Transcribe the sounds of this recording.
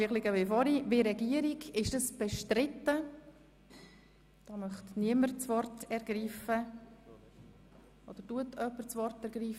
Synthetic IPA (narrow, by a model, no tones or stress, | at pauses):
iχlɪɡəvɪfɔɾivɪɾɛɡiəɾiɡɪʃdəsb̥ɛʃtɾɪtːə | d̥ɑːmœχtniəməɾt͡svɔrtʰɛɾɡ̥ɾiːfə | ʔod̥̪əɾtuətʰœpːəɾt͡svɔrtɛɾɡɾiːf